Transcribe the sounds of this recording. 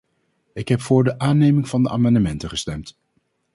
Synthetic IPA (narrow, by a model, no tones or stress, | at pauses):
ɪkɦɛpfʊːɹdəʔaːnejmɪŋv̥ɑndəʔa̰ːmɑndəmɛntəχəstɛmt